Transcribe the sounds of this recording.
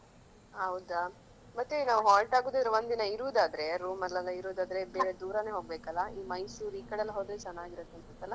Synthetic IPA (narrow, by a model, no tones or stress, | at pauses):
ɦɐwd̪a | mɐt̪ːunaːʋuɦaːlʈaːɡuːd̪id̪ɾeʋond̪inɐiɾuːd̪aːd̪ɐɾe̞ɾuːmɐlːɐlːɐiɾuːd̪aːd̪ɐɾe̞beːɾe̞d̪uːɾɐneːɦo̞ːɡ̚beːkɐlːɐiːmɐjsuːɾiːkɐɽɐlːɐɦoːd̪ɾet͡ʃɐnːaːɡiɾɐt̪ːentɐt̪ːɐlːɐ